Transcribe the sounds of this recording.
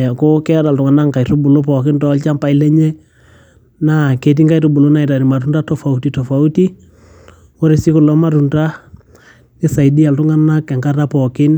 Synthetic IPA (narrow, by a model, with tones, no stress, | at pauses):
ɛ˨ko˦kɛ˦ɾa˨ltʊ˨ŋa˨na˦ŋka˨ito˦bu˨lo˦pɔ˨kɪ˦ntɔ˦lt͡ʃa˦mpa˨i˦lɛ˦ɲɛ˦ | na˦ke˨t̬i˦ŋka˦i˦to˦bu˨lo˦na˨i˨ta˨ɾi˨ma˨ɾu˦nɾa˦tɔ˨fa˨u˦ti˨tɔ˨fa˨u˦ti˦ | wo˦ɾe˨si˦kʊ˨lɔ˦ma˦ɾu˨nda˦ | nɪ˦sa˨idi˦a˨ltʊ˦ŋa˦na˦kɛ˨ŋka˦ɾa˦pɔ˨kɪ˦n